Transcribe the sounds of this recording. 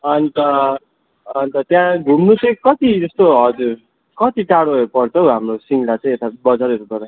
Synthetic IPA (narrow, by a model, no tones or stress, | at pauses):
ʌnit̪ʌː | nit̪ʌt̪jãɡʱumnut͡sʌĩkʌt̪id͡zʌst̪oɦʌd͡zur | kʌt̪iʈaɽoepʌrt͡sʰʌwɦamrosiŋlat͡sʌĩet̪abʌd͡zaɾeɾukʌɾã